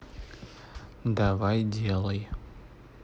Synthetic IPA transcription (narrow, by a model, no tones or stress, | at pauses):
davajdelˠɐj